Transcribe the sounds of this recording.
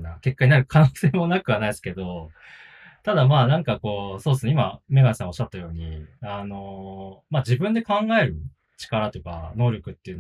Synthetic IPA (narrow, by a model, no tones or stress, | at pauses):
nake̞kːaɲ̟inaɾɯ̟kʰanoːse̞ːmo̞nakɯ̟βanaisɨ̥ke̞d̪o̞ | t̪ad̪amaːnãŋkako̞ːsoːd̪sɨneimame̞ɡaɲsãaoɕːat̪ːajo̞ːɲ̟iano̞maːd͡ʑibɯ̟̃nd̪e̞kãŋɡae̞ɾɯ̟ | t͡ɕi̥kaɾat̪o̞jɯ̟ka̰no̞ːɾʲjo̞kɯ̟t̪ːeiɯ̟n